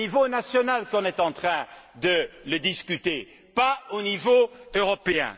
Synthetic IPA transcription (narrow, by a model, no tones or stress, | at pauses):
ivonasjɔnalkɔ̃nɛt̪ɑ̃t̪χɛ̃d̪ələd̪iskʲyt̪e | paonivoøʁɔpeɛ̰̃